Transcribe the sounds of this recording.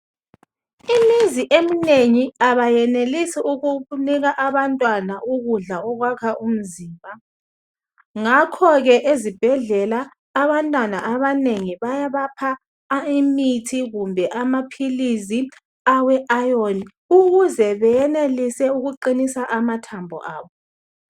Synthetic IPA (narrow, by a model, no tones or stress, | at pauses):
imiziʔemineŋiaβajɛnelisiuɣuniɣaʔaβantʼwanaʔuɣuɮaɔɣwakʰaʔum̩ziːmbʱa | ŋakʰɔɣɛʔezib̥ʱɛɮɛlaː | βantʼwanaʔaβaneŋiβajaβapʰa | imitʰiɣumbʱɛʔamapʰilizi | awɛʔajoni | uɣuzɛβɛjɛnelisɛuɣuǃinisaʔamatʰambʱɔ̰ʔa̰ːβɔ